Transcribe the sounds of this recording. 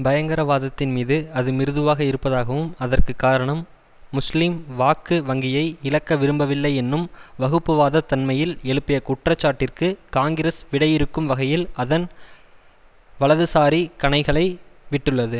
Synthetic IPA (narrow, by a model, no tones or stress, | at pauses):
bɐjɐŋɡɐɾɐʋaːðɐt̪ːɪnmiːðɯɐðɯmɪɾɯðɯʋaːɣɐɪɾɯpːɐðaːɣɐʋɯmɐðɐrkɯkːaːɾɐɳɐmː | ʊslimʋaːkːɯʋɐŋɡɪjɐɪɪlɐkːɐʋɪɾɯmbɐʋɪlːɐɪɛnːɯmʋɐɣɯpːɯʋaːðɐt̪ːɐnmɐjɪlɛɭɯpːɪjɐkʊʈrɐt͡ʃːaːʈːɪrkɯkaːŋɡɪɾɐsʋɪɽɐjɪɾɯkːɯmʋɐɣɐjɪlɐðɐn | ʋɐɭɐðɯsaːɾikɐɳɐɪɣɐɭɐɪʋɪʈːɯɭːɐðɯ